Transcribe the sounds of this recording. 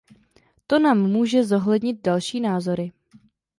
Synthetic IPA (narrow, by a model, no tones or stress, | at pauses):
t̪o̞naːmːuːʒɛzo̞ɦlɛdɲɪt̪̚dalʃiːnaːzo̞ɾɪ